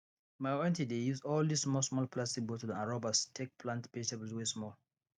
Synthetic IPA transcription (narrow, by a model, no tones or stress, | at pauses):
maɪɛ̃ntidejuzɔldisːmɔlsmɔlpʰlastik̚botdanaɹɔbastʰek̚pʰlãntpetabl̩swesmɔl